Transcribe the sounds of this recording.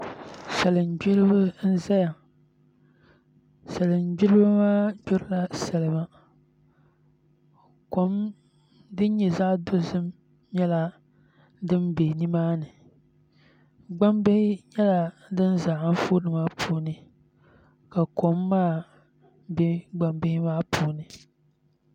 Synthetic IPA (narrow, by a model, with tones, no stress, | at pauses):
sa˨lɨ˨nd͡ʒɪ˦lɨ˦bɨ˦n̩˦za˦ja˨ | sa˨lɨ˨nd͡ʒɪ˦lɨ˦bɨ˦maː˦d͡ʒʊ˦ɾɨ˦la˦sɛ˨lɨ˨˦ma˦ | ko˨˦m | dɨ˦n˦ɲɛ˨zaː˦do˦zɨ˦m | ɲɛ˦la˦ | dɨ˦mbe˨ni˦maː˦nɨ˨ | ɡ͡ba˦mbɪ˦hɪ˦ɲɛ˦la˦dɨ˦nzaː˨ʔa˦m˦fo˦nɨ˨maː˦pʰuː˨nɨ˨ | ka˨ko˨˦mːaː˦˨ | bɛ˦ɡ͡ba˨mbɪ˦hɪ˦maː˦pʰuː˦˨nɨ˨